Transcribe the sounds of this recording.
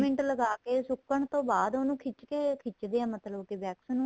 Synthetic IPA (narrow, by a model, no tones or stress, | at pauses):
mɪ̃ɳʈləɡaːkeːsʊkːəɳt̪õːbaːd̪oːnũːkʰɪt͡ʃkeːkʰɪt͡ʃd̪eːãːmət̪ləbkɪbɛːksnũː